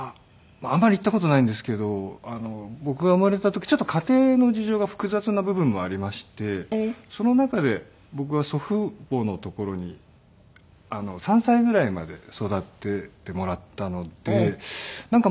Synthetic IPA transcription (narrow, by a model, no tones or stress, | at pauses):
a | maːmːaɾʲit̪ːako̞t̪o̞naĩnd̪e̞s̬ɨ̥ke̞d̪o̞ano̞bo̞kɯ̟ɡamɯɾeet̪at̪o̞kʲi̥t͡ɕo̞t̪ːo̞kʰat̪e̞ːno̞d͡ʑiʑo̞ːɡaɸɯ̟̥kɯ̟zat͡sɨnabɯ̟bɯ̟̃mːo̞aɾʲimaɕi̥t̪e̞so̞no̞nakad̪e̞ | bo̞k̬ɯ̟βaso̞ɸɯ̟bo̞not̪o̞ko̞ɾo̞ɲ̟i | ano̞sãɰ̃saiɡɯ̟ɾaima̰d̪e̞so̞d̪at̪ːe̞t̪e̞mo̞ɾat̪ːano̞d̪̥e̞nãŋka